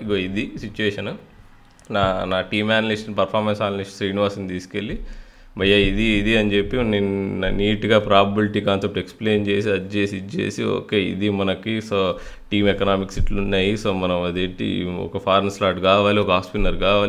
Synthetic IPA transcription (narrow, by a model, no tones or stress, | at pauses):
iɡoːid̪isit͡ʃːuʋeːʃɐn | naːnaːʈiːmaːnɐlisʈɐnpɐɾpʰaːɾmensaːnɐliʂɐsɾiːniʋaːɾsɐnt̪iːske̞lːi | mɐjaid̪iːd̪iɐɲt͡ʃe̞pːinniːʈɡaːpɾaːbɐbiliʈikaːnsep̚ʈeksple̞ːnt͡ʃe̞ːs̬iɐt͡ʃeːsit͡ʃḛːsio̰ːkeːḭd̪imɐnɐkisoː | ʈiːmeknaːmiksiʈlunːaːjisoːmɐnɐmɐd̪eːʈḭɔ̰kɐpʰaːɾneslaːʈkaːʋaːliɔkɐɦaːspiʈɐɾkaːʋaːli